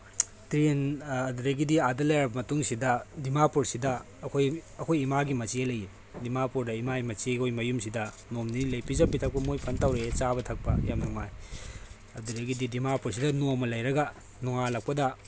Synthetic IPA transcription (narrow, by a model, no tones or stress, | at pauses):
tɾenɐduɾeɡidiadɐlɐjɾɾɐbɐmɐtuŋsidɐdimapuɾsidɐː | kʰojɐkʰojimaɡimɐt͡ʃielɐji | dimapuɾdɐimaimɐt͡ʃiekʰojmɐjumsidɐ | nomninilɐjpizɐpːitʰɐk̚pɐmojpʰɐntawɾet͡ʃabɐtʰɐk̚pɐ̰jamnuŋaj | ɐduɾeɡididimapuɾsidɐnomɐlɐjɾɐɡɐ | nuŋalɐk̚pɐdɐ